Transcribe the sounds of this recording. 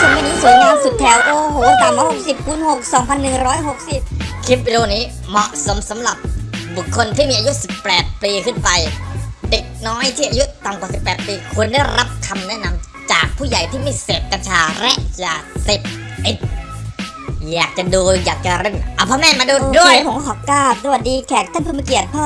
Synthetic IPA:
kʰo˧˩maː˧˥˩niː˦˥˩su˨˩˦jŋaː˧nsu˨˩t̪ʰːɛː˨˩˦wʔoː˧ɦo˨˩˦wa˧t̪aː˨˩ma˧˩ho˨˩˨si˨˩p̚ʰːuː˧˥nho˨˩k̚sɔː˩˦ŋpʰa˧nːɯ˨˩ŋɾɔː˦˥jɦo˨˩k̚si˨˩p̚kʰiː˦˥p̚i˧doː˧niː˦˥ | mɔ˨˩ʔso˩˦msa˩˦mɾa˨˩p̚bu˨˩kʰːo˧nt̪ʰiː˥˩miː˧ʔa˧ju˦˥si˨˩pːɛː˨˩t̪̚piː˧kʰɯ˥˩npa˧jde˨˩k̚nɔː˦˥jt̪ʰiː˥˩ʔa˧ju˦˥ʔt̪a˨˩ŋkwaː˨˩si˨˩pːɛː˨˩t̪̚piː˧kʰu˧əndaː˥˩jɾa˦˥p̚kʰa˧mnɛ˦˥ʔna˧m | t͡ɕaː˨˩k̚pʰuː˥˩ja˨˩jt̪ʰiː˥˩ma˥˩jseː˨˩p̚ka˧nt͡ɕʰaː˧ɾɛ˦˥ʔjaː˨˩se˨˩p̚ | i˨˩t̪̚ | jaː˨˩k̚t͡ɕa˨˩duː˧jaː˨˩k̚t͡ɕa˨˩ɾe˧˩ŋʔa˧˩pʰɔː˧˥mɛː˥˩maː˧duː˧du˥˩ə˨jpʰo˩˦kːkʰɔː˨˩kaː˥˩p̚sa˧a˨˩t̚diː˧kʰɛː˨˩k̚t̪ʰa˥˩npʰɯ˥˩ma˧˥˩ki˨˩ət̪̚pʰɔː˥˩

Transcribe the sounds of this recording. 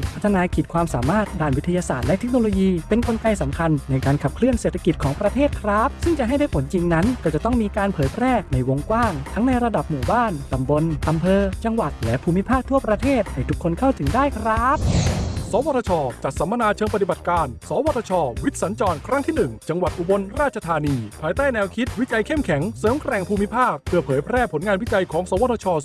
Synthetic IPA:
pʰa˦˥t̪ʰːa˧naː˧kʰiː˨˩t̪̚kʰwaː˧msaː˩˦maː˥˩t̪̚daː˧˩nwi˦˥t̪ʰa˧jaː˧saː˨˩t̪̚lɛ˦˥t̪ʰe˦˥k̚noː˧loː˧jiː˧pe˧nko˧nka˧jsa˩˦mkʰa˧nːa˧jkaː˧nkʰa˨˩p̚kʰlɯ˥˩ənseː˨˩t̪ʰːa˧ki˨˩kʰɔː˩˦ŋpɾa˧t̪ʰeː˥˩t̪̚kʰɾa˦˥p̚sɯ˥˩ŋt͡ɕa˨˩ɦa˥˩jda˥˩pʰo˩˦nt͡ɕi˧ŋna˦˥nkɔː˥˩t͡ɕa˨˩t̪ɔ˥˩ŋmiː˧kaː˧npʰɤː˩˦jpʰɾɛː˥˩na˧jwo˧ŋkwaː˥˩ŋt̪ʰa˦˥ŋna˧jɾa˧da˨˩p̚muː˨˩baː˥˩nt̪a˨˩mbo˧nʔa˧mpʰɤː˧t͡ɕa˧ŋwa˨˩t̪̚lɛ˦˥pʰuː˧mːi˦˥pʰaː˥˩k̚t̪ʰu˥˩ɐpɾa˧t̪ʰeː˥˩t̪̚ha˧˩t̪ʰu˦˥kʰːo˧nkʰa˥˩wt̪ʰɯ˩˦ŋdaː˥˩jkʰɾa˦˥p̚sɔː˩˦waː˧˩t̪ʰːt͡ɕʰɔː˧t͡ɕa˨˩t̪̚sa˩˦ma˧naː˧t͡ɕʰɤː˧ŋpa˧t̪i˨˩ba˨˩t̪̚kaː˧nsɔː˩˦waː˧t̪ʰːaː˧t͡ɕʰɔː˧wi˦˥t̪̚sa˩˦nt͡ɕɔː˧nkʰɾa˦˥ŋt̪ʰiː˥˩nɯ˨˩ŋt͡ɕa˧ŋwa˨˩t̪̚ʔu˨˧bo˧nɾaː˥˩t̪̚t͡ɕʰa˧t̪ʰaː˧niː˧pʰaː˧jt̪aː˥˩jnɛː˧wkʰi˦˥t̪̚wi˦˥t͡ɕa˧jkʰe˥˩mkʰɛ˩˦ŋsoː˨˦mkɾɛː˨˩ŋpʰuː˧mi˦˥pʰaː˥˩k̚pʰːɯ˥˩ɐpʰɤː˩˦jpʰɾɛː˥˩pʰo˩˦nŋaː˧nwi˦˥t͡ɕa˧jkʰɔː˩˦ŋsɔː˩˦wa˧t̪ʰaː˧t͡ɕʰɔː˧

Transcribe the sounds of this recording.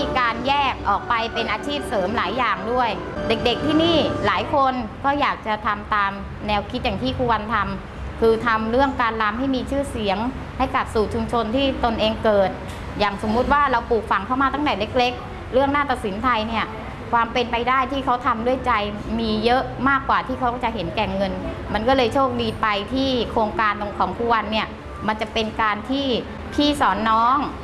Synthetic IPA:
i˧kaː˧njɛː˥˩k̚ʔɔː˨˩k̚pa˧jpe˧nʔaː˧t͡ɕʰiː˥˩p̚sɤː˩˦mlaː˩˦jːaː˨˩ŋdu˥˩əjde˨˩k̚de˨˩k̚t̪ʰiː˥˩niː˥˩laː˩˦jkʰo˧nkɔː˥˩jaː˨˩k̚t͡ɕa˨˩t̪ʰa˧mt̪aː˧m | nɛː˧wkʰi˦˥t̪̚jaː˨˩ŋt̪ʰiː˥˩kʰuː˧wa˧nt̪ʰa˧m | kʰɯː˧t̪ʰa˧mɾɯ˥˩əŋkaː˧nla˦˥mha˥˩jmiː˧t͡ɕʰɯː˥˩si˩˦əŋ | ha˥˩jka˨˩p̚suː˨˩t͡ɕʰu˧mt͡ɕʰo˧nt̪ʰiː˥˩t̪o˧nʔeː˧ŋkɤː˨˩t̪̚ | jaː˨˩ŋso˩˦mːu˦˥t̪̚waː˥˩ɾa˧wpuː˨˩k̚fa˨˩˦ŋkʰa˥˩wmaː˧t̪a˥˩dɛː˨˩le˦˥k̚le˦˥k̚ | ɾɯ˥˩əŋnaː˥˩t̪a˨˩t̪si˩˦nt̪ʰa˧jni˥˩ɐ | kʰwaː˧mpe˧npa˧jdaː˥˩jt̪ʰiː˥˩kʰa˦˥wt̪ʰa˧mdu˥˩əjt͡ɕa˧j | miː˧jɤ˦˥ʔmaː˥˩kːwaː˨˩t̪ʰiː˥˩kʰa˦˥wɔ˥˩t͡ɕa˨˩ʔɦe˩˦nkɛː˨˩ŋːɤ˧nma˧nkɔː˥˩lɤː˧jt͡ɕʰoː˥˩k̚diː˧pa˧jt̪ʰiː˥˩kʰoː˧ŋkaː˧nlkʰɔː˩˦ŋpʰu˦˥wa˧nːi˥˩ɐ | ma˧nt͡ɕa˨˩pe˧nkaː˧nt̪ʰiː˥˩ | t̪ʰiː˥˩sɔː˩˦nːɔː˦˥ŋ

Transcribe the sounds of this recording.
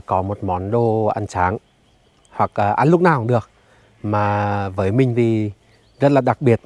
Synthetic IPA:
kɔ˨˦mo˨˩t̚mɔ˨˦nɗo˧ʔa˧˩ŋsaː˨˦ŋ | hwa˨˩k̚ʔːʔa˧nlʊ˦˥k͡p̚naː˨˩wɗɨ˨˩ək̚ | maː˨˩vəː˨˦jmï˨˩ŋ̟t̪ʰi˨˩ | zə˦˥t̚laː˨˩ɗa˨˩k̚ɓi˨˩ət̚

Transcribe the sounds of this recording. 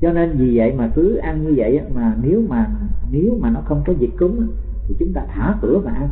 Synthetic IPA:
t͡ɕɔ˧ne˧nvi˨˩və̰˧˨jmaː˨˩kɨ˨˦ʔa˧nɲɨ˧və̰˧˨jʔaː˨˦maː˨˩ne˨˦wmaː˨˩ne˨˦wmaː˨˩nɔ˨˦xə˧wŋ͡mkɔ˨˦zi˨˩k̚kʊ˨˦ŋ͡m | t̪ʰi˨˩t͡ɕʊ˨˦ŋ͡mt̪aː˧t̪ʰaː˧˩kɨ̰˧˩˦əmaː˨˩ʔa˧n

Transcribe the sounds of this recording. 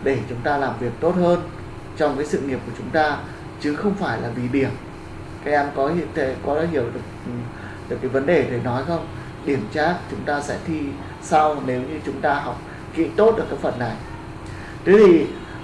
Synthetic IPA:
ɗe˧˩t͡ɕʊ˨˦ŋ͡mt̪aː˧laː˨˩mvi˨˩ək̚t̪o˦˥t̚həː˧n | t͡ɕɔ˧wŋ͡mkaː˨˦sɨ̰˧˨ŋi˨əp̚ku˧˩ət͡ɕʊ˨˦ŋ͡mt̪aː˧ | t͡ɕɨ˨˦xə˧wŋ͡mfaː˧˩jlaː˨˩vi˨˩ɗi˧˩ən | kaː˨˦k̚ʔɛ˧mkɔ˨˦hḭ˧˨nt̪ʰe˨˦kɔ˨˦ɔ˨˦hi˧˩əwɗɨ˨˩ək̚ | ɗɨ˨˩əkːaː˨˦jvə˨˦nɗe˨˩t̪ʰe˨˩jnɔ˨˦jxə˧wŋ͡m | ɗi˧˩əmt͡ɕaː˦˥t̚t͡ɕʊ˨˦ŋ͡mt̪aː˧sɛ̰˧˥t̪ʰi˧ | sa˧wne˨˦wɲɨ˧t͡ɕʊ˨˦ŋ͡mt̪aː˧ɦɔ˨˩wk͡p̚ | kḭ˧˥t̪o˦˥t̚ɗɨ˨˩kːaː˨˦jfə˨˩nːa˨˩j | t̪ə˨˦˥t̪ʰi˨˩

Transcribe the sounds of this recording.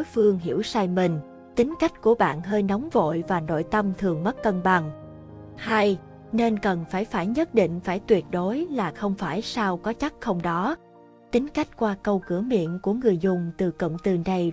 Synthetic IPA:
o˨˦jfɨ˧əŋɦḭ˧˩əwsaː˧jmï˨˩ŋ̟ | t̪ï˨˦ŋ̟ka˦˥jk̟̚ku˧˩əɓa̰ː˧˨nɦəː˧jnɔ˨˦wŋ͡mvo̰˧˨jvaː˨˩no̰˧˨jt̪ə˧mt̪ʰɨ˨˩əŋmə˦˥t̚kːə˧nɓa˨˩ŋ | ha˧j | ne˧nkə˨˩nfaː˧˩jfaː˧˩jɲə˦˥t̚ɗḭ˧˨ŋ̟faː˧˩jt̪wi˨˩ət̚ɗo˨˦jlaː˨˩xə˧wŋ͡mfaː˧˩jsaː˧wkɔ˨˦t͡ɕa˦˥k̚xə˧wŋ͡mɗɔ˨˦ | t̪ï˨˦ŋ̟ka˦˥jk̟̚kwaː˧kə˧wkɨ˧˩əmḭ˧˨ənku˧˩əŋɨ˨˩əjzʊ˨˩ŋ͡mt̪ɨ˨˩kə̰˧˨wŋ͡mt̪ɨ˧ɗə˧j

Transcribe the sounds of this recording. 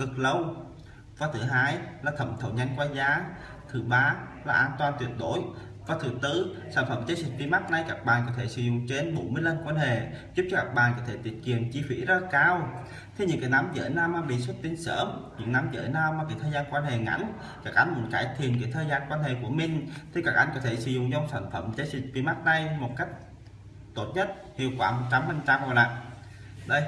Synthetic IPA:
kɨ˨˩k̚lə˧w | vaː˨˩t̪ʰɨ˨˩ɦaː˧jlaː˨˩t̪ʰə̰˧˨˩mt̪ʰə̰˧˩wɲa˧jŋkwaː˧zaː˨˦ | t̪ʰɨ˨˩ɓaː˧ | laː˨˩ʔaː˧nt̪waː˧˩nt̪wi˨˩ət̚ɗo˧˥˦j | vaː˨˩t̪ʰɨ˨˩t̪ɨ˧saː˧˩nfə˧˩mt͡ɕə˧˦si˨˩k̟̚vi˧˦ma˦˥t̚na˧jkaː˦˥k̚ɓaː˨˩nkɔ˨˦t̪ʰe˧˩˦sɨ̰˧˦zʊ̰˧˨ŋ͡mt͡ɕe˧nɓo˧˩˦jmɨ˧əjlə˧nkwaː˧nɦḛ˧˨zu˦˥p̚t͡ɕɔ˧˩kaː˦˥k̚ɓa̰ː˨nkɔ˨˦t̪ʰe˧˩t̪wi˨˩ət̚kḭ˨˩ənt͡ɕi˧fḭ˧˥zəː˧˦˥kaː˧w | t̪ʰe˧˦ɲɨ̰˧˨ŋkaː˨˩na˨˦mzə̰ː˧˦jnaː˧wmaː˧ɓḭ˧˨su˦˥t̚t̪i˧˦nsəː˧˩mɲɨ̰˧˥ŋna˨˦mzə̰ː˧˦jnaː˧wmaː˧ka˨˩jt̪ʰəː˧jzaː˧nkwaː˧nɦḛ˧˨˩ŋa̰˧˥jŋ | kaː˨˩k̚ʔa˧jŋ̟mɨ̰˧˩nkaː˧˩jt̪ʰi˨˩ənke˨˩˦t̪ʰəː˨jzaː˧nkwaː˧nɦḛ˧˨ku˧˩əmï˨˩ŋ̟t̪ʰi˨˧˩kaː˨˩k̚ʔa˧jŋ̟kɔ˨˦t̪ʰe˧˩sɨ̰˧˩zʊ̰˧˨ŋt͡ɕɔ˧wŋ͡msaː˧˩nfə˧˩˨mt͡ɕəː˧˦jzi˨˩k̟̚vi˧˦ma˦˥t̚na˧jmo˨˩t̚ka˦˥jk̚ | t̪o˦˥t̚ɲə˦˥t̚ | hḭ˧˨əwkwaː˧˩mo˨˩t̚t͡ɕa˧mha˨˩nt͡ɕa˧mhlaː˨˩ | ɗə˧j

